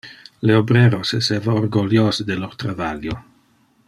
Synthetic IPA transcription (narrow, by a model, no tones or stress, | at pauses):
leobɾeɾosesevaorɡoljoːzed̪elort̪ɾavaljo